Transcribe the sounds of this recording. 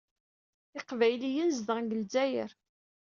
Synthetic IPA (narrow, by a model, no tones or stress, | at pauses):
ɪqvæjlijənzðəɡəlzæjəɾ